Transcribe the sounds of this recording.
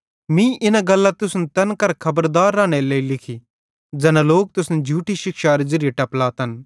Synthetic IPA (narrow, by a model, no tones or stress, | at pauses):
mĩʔɪnaɡɐlːat̪ʊsnt̪ɐnkɐɾkʰɐbəɾd̪aːɾːãːɽ̃eleːilɪkʰi | d͡ʒɐnãloːk̚t̪ʊsnɛd͡ʒʱuːʈiʃɪkʃaːɾd͡ʒɪɾieʈɐplaːt̪ɦɐn